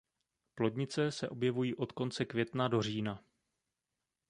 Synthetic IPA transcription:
plo̞dɲɪt͡sɛsɛʔo̞bjɛvujiːʔo̞t̪ko̞nt͡sɛkvjɛt̪nado̞r̝iːna

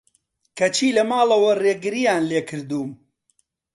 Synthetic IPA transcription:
kɐt͡ʃʰiːlɐmaːlɐwɐreːɡɨɾijaːnleːkʰɨɾd̪uːm

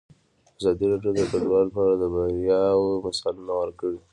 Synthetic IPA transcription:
azɑd̪iɾɑɖjod̪əkaɖwɑllpɑɾad̪əbaɾjɑwmasalunawəɾkəɽi

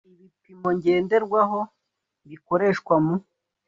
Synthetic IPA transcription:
iβipimo̞ɲɟeːnde̞ɾɡwaɦo̞ | βiko̞ɾe̞ːʃkwamu

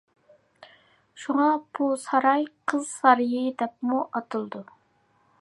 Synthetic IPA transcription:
ʃuŋɑb̥usɑɾɑjqʰəzsɑɾɨjɪd̪ɛp̚muʔɑt̪ʰɨlˠɨd̪u

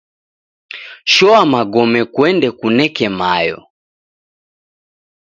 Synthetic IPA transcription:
ʃɔamaɡɔmɛkwɛndɛkunɛkɛmajɔ̰

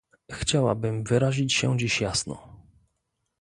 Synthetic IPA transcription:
xt͡ɕawa̰bɘmvɘɾaʑit͡ɕɕɛd͡ʑiɕjasnɔ̰

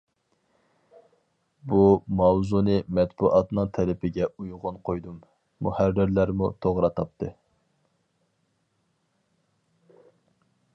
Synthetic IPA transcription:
bumɑwzunɨmɛt̪̚buʔɑt̪nɨŋt̪ʰɛlɪpʰɪɡʲɛujʁʊnqʰojd̪umː | ṵhæɾːɪɾlæɾmut̪ʰoʁɾɑt̪ʰɑp̚t̪ʰɨ

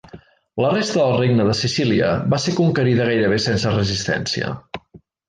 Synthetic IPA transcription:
lərest̪əðəlˠreɡnəðəsisiliə̰βasekuŋkəɾiðəɣajɾəβ̞esensərəzist̪ɛ̰nsiə̰

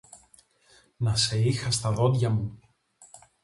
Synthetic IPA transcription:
nɐse̞ixɐst̪ɐðo̞d̪ʝɐmu

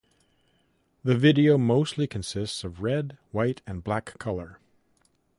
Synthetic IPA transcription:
ðɨvɪɾioʊmoʊstˡlikʰɨ̃n̩sɪstsʌvɹɛdwaɪɾɨ̃nblækʰʌlˠə˞

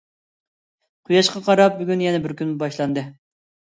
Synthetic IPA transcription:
qʰujɑʃqɑqʰɑɾɑp̚byɡʲynjɛnɛbɪɾkʲʰynmubɑʃlˠɑnd̪ɨ

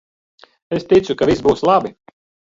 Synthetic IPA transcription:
est̪it̪sukavʲisbuːslˠabi

